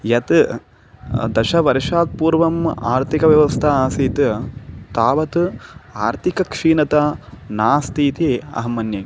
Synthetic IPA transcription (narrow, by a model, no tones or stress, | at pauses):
jɐt̪ | d̪ɐʃɐʋɐɾiʂaːk̪̚puːɾʋɐma̰ːɾt̪ʰikɐʋjɐʋɐst̪ʰɐaːsiːt̪ɨt̪aːʋɐt̪aːɾt̪ʰikɐkʂiːnɐt̪ɐnaːst̪iːt̪iɐ̰ɦɐmːɐnjɐŋ